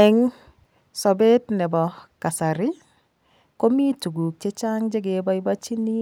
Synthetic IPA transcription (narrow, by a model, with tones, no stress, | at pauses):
ɛ˨ŋ | sɔ˨be˦tnɛ˨bɔ˨ka˨sa˨ɾɪ˦ | ko˦mi˦tu˨ɡu˨k̚t͡ʃe˦t͡ʃa˦ŋd͡ʒe˦ɡe˨bɔ˦ɪ˦ba˦t͡ʃi˦ni˦